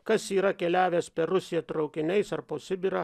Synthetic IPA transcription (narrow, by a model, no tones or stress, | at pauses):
kɐsiːɾɐkʲɛlʲæːʋʲeːspʲɛɾʊsʲɪjɛt̪ɾɒʊkʲɪnʲɛɪsɐrpoːsʲɪbʲɪɾɐ